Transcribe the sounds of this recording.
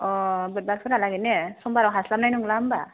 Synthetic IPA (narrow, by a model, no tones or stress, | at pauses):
ɔbɯt̚bak̚pʰɯɾalaɡenesɔmbaɾawɦaslamnajnuŋlamba